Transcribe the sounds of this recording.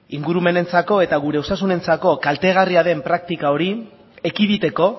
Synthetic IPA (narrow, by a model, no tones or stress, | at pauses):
iŋɡuɾume̞ne̞nt͡sako̞e̞t̪aɣ̞uɾe̞o̞sas̬une̞nt͡sako̞kalt̪e̞ɣ̞ariaðe̞mpɾak̚t̪ikao̞ɾi | ekiðit̪e̞ko̞